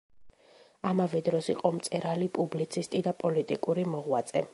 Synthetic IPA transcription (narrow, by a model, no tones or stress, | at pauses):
amavɛd̪ɾɔsiqʼɔmt̪sʼɛɾalipʼublit̪sʰist̪ʼid̪apʼɔlit̪ʼikʼuɾimɔʁwat̪sʼɛ